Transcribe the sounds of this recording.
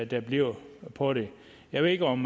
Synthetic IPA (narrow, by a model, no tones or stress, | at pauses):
d̥æb̥liɐ̰pʰɒɾ̥e̝ | jɑ̈ʋe̝ðˠeɡɒ̽m